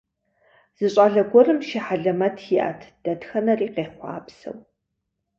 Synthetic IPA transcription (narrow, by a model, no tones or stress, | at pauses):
z̥ɨɕʼaːɮɐɡʷɔrɨmʃɪħaɮɐmɐtʰjʔa̰ːtʰd̥ɐdxɐnɐriːqeːχʷɑ̰ːpsɐ̰w